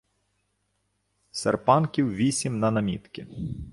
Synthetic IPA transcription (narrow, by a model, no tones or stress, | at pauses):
sḛrpɑnkʲiwʋʲisʲimnɐnɐmʲit̪kʲɪ